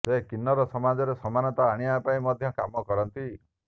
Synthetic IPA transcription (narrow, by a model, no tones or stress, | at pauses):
sekinːɔɾɔsɔmad͡ʒɔɾesɔmanɔt̪aːɽ̃iapaĩmɔd̪ʱjɔkamɔkɔɾɔnt̪i